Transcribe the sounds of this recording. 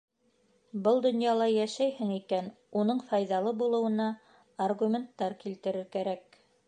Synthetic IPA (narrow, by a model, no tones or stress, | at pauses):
bɤlˠd̪ŏnjɑlˠɑjæʃæjhɘŋikæn | unɤɴfɑjðɑlˠɤbulˠɤ̆wɤ̆nɑː | rɣumʲent̪ːɑɾkilt̪ɘ̆ɾɘɾkæɾæk̚